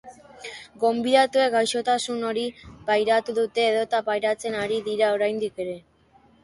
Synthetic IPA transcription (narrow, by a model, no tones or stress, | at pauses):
ɡo̞mbiðat̪ue̞ɡajʃo̞t̪asuno̞ɾipajɾat̪uðut̪e̞ːðo̞t̪apajɾat͡se̞naɾiðiɾao̞ɾajnd̪ike̞ɾe̞